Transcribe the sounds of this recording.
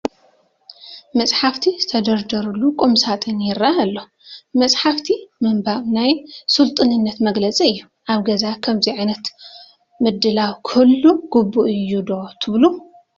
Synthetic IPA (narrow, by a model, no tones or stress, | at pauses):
mɐt͡sʼħaft̪ʰizt̪ʰɐd̪ɐɾd̪ɐɾulːukʼumsat̪ʼɨnjɪɾaalːo | mɐt͡sʼħaft̪ʰimɐmbaβnajsult̪ʼɨnɨnːɐt̪mɐɡlɐt͡sʼiɨjːu | ʔaβɡɐzakʰɐmziʕajnɐt̪ | mɨd̪ːɨlawkʰulːuɡ̥ubːuʔɨjːud̪ot̪ʰɨβlu